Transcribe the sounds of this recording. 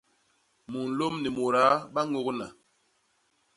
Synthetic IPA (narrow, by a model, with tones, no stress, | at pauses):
mu˨n̩˨lo˦mni˨mo˨ɾa˨˦ba˦ŋo˦kna˨